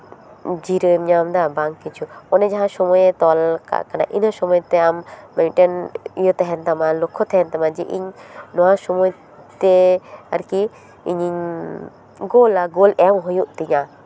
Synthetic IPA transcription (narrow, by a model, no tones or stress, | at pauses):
d͡ʒiɾəmɲamd̪abaŋkːit͡ʃʰuɔnɛd͡ʒaɦãsɔmɔjt̪ɔlka̰kana̰ʔinəsɔmɔjt̪ɛamːãʈənijɔt̪ɛɦɛnt̪amalɔkʰːɔt̪ɛɦɛnt̪amad͡ʒɛʔḭɲnɔwãsɔmɔj | t̪ɛa̰ɾki | iɲiɲ | ɡolaɡolɛmɦujuʔt̪iɲa